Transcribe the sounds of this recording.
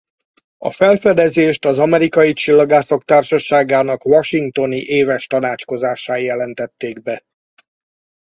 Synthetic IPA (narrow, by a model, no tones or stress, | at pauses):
ɒ̰fɛlfɛd̪ɛzeːʃt̪ɒzɒmɛɾikɒjit͡ʃilːɒɡaːsɒkt̪aːrʃɒʃaːɡaːnɒkʋɒʃiŋk̚t̪o̞niʔeːvɛʃt̪ɒnaːt͡ʃko̞zaːʃaːjɛlɛnt̪ɛt̪ːeːɡbɛ